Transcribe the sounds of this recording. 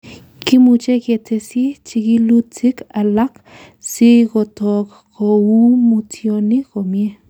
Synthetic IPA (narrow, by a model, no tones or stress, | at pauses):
kimut͡ʃekjet͡sesit͡ʃikilut͡sikalak | sikot̪ok | koumut͡sjonikomje